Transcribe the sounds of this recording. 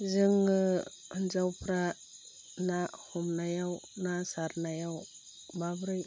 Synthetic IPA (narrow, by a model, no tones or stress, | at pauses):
zɯŋɯ | hɯnzawpʰɾa | nahumnajawnasaɾnajaw | babɾɯj